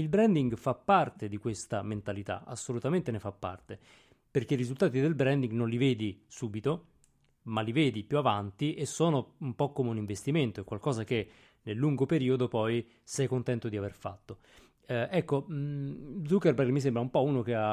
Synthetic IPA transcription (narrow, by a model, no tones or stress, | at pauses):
ilbɾɛnd̪iŋɡfapːart̪ed̪ikwest̪ament̪alit̪a̰a̰sːolut̪ament̪enefapːa̰rt̪e | perkeiɾizult̪aːt̪id̪elbɾɛnd̪iŋɡnonliveːd̪isuːbit̪o | malːiveːd̪ipjuavant̪iesːoːnoumpɔkːomeuniɱvest̪iment̪oɛkːwalkɔːzak̟e | nelːuŋɡopeɾiːod̪opɔj | sɛjkont̪ɛnt̪od̪iaverfa̰t̪ːo | ɛkːo | d̪zukːerbɛlmis̬embɾaumpɔuːnok̟ea